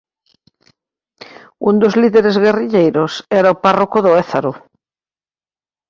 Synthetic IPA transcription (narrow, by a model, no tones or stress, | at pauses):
und̪ozliðeɾezɣeriʎejɾosɛɾaoparokoðoeθaɾo